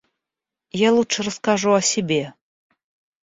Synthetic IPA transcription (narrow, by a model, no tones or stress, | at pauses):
jalˠuʂrəskaʐuɐsʲebʲe